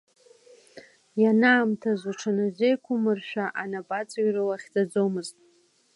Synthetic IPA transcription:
janaːmtʰazʷaʈ͡ʂʰanazʷejkʷʰʊmɨrʃᶣaʔanabʼat͡sʼɥrɨlaχʲd͡zʼad͡zo̞mɨztʼ

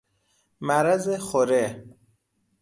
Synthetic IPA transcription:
mæɾæzexoɾe

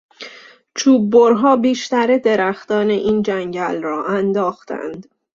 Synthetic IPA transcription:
t͡ʃʰuːbːoɾɦɒːbiːʃt̪æɾed̪e̞ɾæxt̪ɒːneʔiːnd͡ʒæɲɟælrɒːʔænd̪ɒːxt̪ʰæ̰nd̪

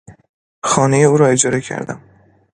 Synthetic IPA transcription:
xɒːne̞jeuːɾɒːed͡ʒɒːɾe̞cʰæ̰ɾd̪æ̰m

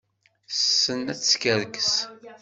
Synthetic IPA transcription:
sːənæt͡sːskəɾkəs

